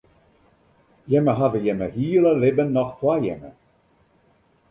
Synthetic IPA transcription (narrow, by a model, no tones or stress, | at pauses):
jɛməɦadəjɛməhiːləlɪbənːɔχtwajɛ̰mə̰